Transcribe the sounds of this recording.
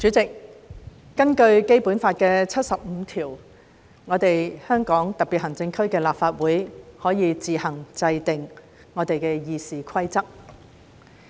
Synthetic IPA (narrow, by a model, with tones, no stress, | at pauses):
t͡ʃyː˨˥t͡sɪ˨k̚ː | ɐ˥nkɵ˧ɥke˥jpuː˨˥nfaː˧t̚kɛː˧t͡sʰɐ˥t̚sɐ˨p̚m̩ː˨˧t̪ʰiː˨˩w | ŋɔː˨˧t̪e˨jhœː˥ŋkɔː˨˥ŋt̪ɐ˨k̚pi˨t̚hɐ˨˩ŋt͡sɪ˧ŋkʰɵ˥ɥkɛː˧laː˨p̚faː˧t̚wuː˨˥jhɔː˨˥jiː˨˧t͡siː˨hɐ˨˩ŋt͡sɐ˧jt̪ɪ˨ŋː | ɔː˨˧t̪e˨jkɛː˧jiː˨˧siː˨kʷʰɐ˥jt͡sɐ˥k̚